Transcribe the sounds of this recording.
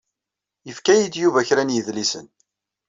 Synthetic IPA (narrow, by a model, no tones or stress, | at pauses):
jəfkæjid̪juvæçɾænjəðlisə̰n